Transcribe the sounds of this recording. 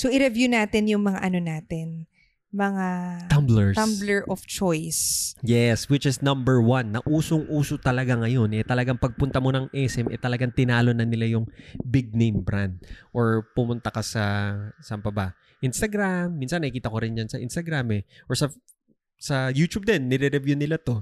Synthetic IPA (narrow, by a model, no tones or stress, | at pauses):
soʔɪɾɛvjunaːt̪ɪnjʊŋmɐŋa̰ʔɐnonaːt̪ɪn | mɐŋat̪ɐmblɛɹɐmblɛɹʔɔft͡ʃojsjɛswɪt͡ʃɪsnɐmbɛɹwɐnːɐʔuːsoŋʔuːsot̪ɐlɐɡaŋɐjo̞nʔɛt̪ɐlɐɡaŋpɐɡ̚pʊnt̪ɐmo̞nɐŋʔɛsɛmʔɛ̰t̪ɐlɐɡaŋt̪ɪnaːlo̞nɐnɪlajʊŋbɪɡ̚nejmbɾand̪̚ʔoɹpʊmʊnt̪ɐkɐsɐsɐmbɐba | ʔɪnst̪ɐɡɾamːinsɐnːɐhɪkiːt̪ɐko̞ɾɪnjansɐʔɪ̰nst̪ɐɡɾamɛʔoɹsɐ | sɐjuːt͡ʃ̪ub̚d̪ɛnːɛɾɛɾɛvjunɪlat̪o̞